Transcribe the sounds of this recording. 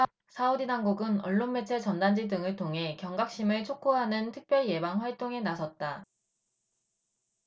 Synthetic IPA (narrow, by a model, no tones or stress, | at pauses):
sʰaudinaŋɡuɡɯnʌɭːonme̞t͡ɕʰet͡ɕʌndand͡ʑidɯŋɯɭtʰoŋɦe̞kjʌŋɡak̚ɕ͈imɯɭt͡ɕʰok͈ʰoɦanɯntʰɯk̚p͈jʌɭje̞baŋɸwaɭt͈oŋe̞nasʰʌt̚t͈a